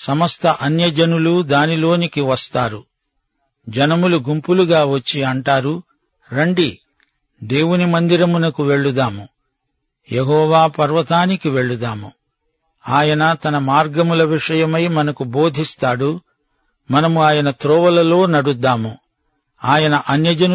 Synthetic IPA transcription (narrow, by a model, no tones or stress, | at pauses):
sɐmɐst̪ɐʔɐnjɐd͡ʒɐnulud̪aːnilo̞ːnikiʋɐst̪aːɾu | d͡ʒɐnɐmuluɡumpuluɡaːʋɐt͡ʃːiɐɳʈaːɾu | ɾeɳɖi | d̪e̞ːwunimɐnd̪iɾɐmunɐkuʋe̞ɭːud̪aːmu | jeɦɔːʋaːpɐɾʋɐt̪aːnikiʋe̞ɭːud̪aːmu | aːjɐnɐt̪ɐnɐmaːɾɡɐmulɐʋiʂɐjɐmɐjmɐnɐkubo̞ːd̪ʱist̪aːɽu | mɐnɐmuaːjɐnɐt̪ɾɔːʋɐlɐlo̞ːnɐɽud̪ːaːmu | aːjɐnɐʔɐnjɐd͡ʒɐn